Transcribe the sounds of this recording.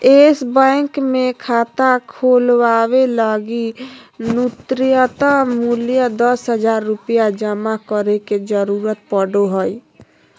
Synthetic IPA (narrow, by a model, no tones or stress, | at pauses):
eːsbə̃ŋkmẽkʰaːt̪akʰolwaːweləɡinut̪ɾijət̪amuljəd̪əsɦəd͡ʒaːɾːʊpjad͡ʒəmakəɾeked͡ʒəɾuːɾət̪̚pəɽoɦəi